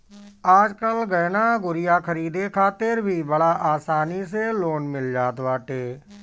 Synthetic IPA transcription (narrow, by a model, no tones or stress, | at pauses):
aːd͡ʒkəlɡəːnaːɡʊɾɪjaːkʰəɾiːd̪eːkʰaːt̪eɾbʱiːbəɽaːʔaːsaːniːs̬eːloːnmɪld͡ʒaːt̪ʋaːʈ̪eː